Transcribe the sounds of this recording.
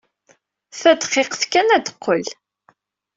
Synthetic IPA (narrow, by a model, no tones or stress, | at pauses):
θæd̪χeqθkænæd̪ə̥qːəl